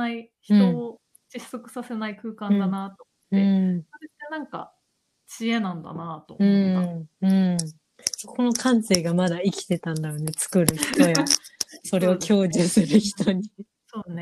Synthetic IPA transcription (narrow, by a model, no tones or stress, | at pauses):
naiçit̪o̞ː | d͡ʑisːo̞kɯ̟̥sase̞naikɯ̟ːkãnd̪anat̪o̞mot̪ːẽ̞soɾe̞t̪ːenãŋka̰ | t͡ɕienãnd̪a̰nat̪o̰ɯ̃aɯ̟̃ | kʰo̞no̞kʰãnse̞ːɡamad̪aikʲi̥t̪e̞t̪ãnd̪ajo̞ne̞t͡sɨ̥kɯ̟ɾɯ̟çi̥t̪o̞jaso̞ɾe̞o̞kʲʰo̞ːd͡ʑisɨɾɯ̟çi̥t̪oɲ̟i | soːne